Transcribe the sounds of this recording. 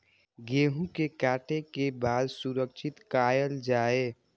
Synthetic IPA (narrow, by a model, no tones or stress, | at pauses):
ɡeːɦũkekaːʈʰekebaːd̪suɾəkʃʰɪt̪kaːjəld͡ʒaːeː